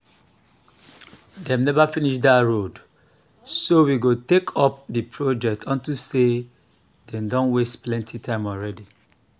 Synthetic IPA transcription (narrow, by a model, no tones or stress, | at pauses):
dɛ̃mnɛvafiniʃdaɹod | sowiɡotekʰɔp̚dipʰɹod͡ʒɛk̚tʰɔ̃ntuse | dɛ̃mdɔ̃nwestplɛ̃ntʰitʰãɪ̃mɔlɹɛdi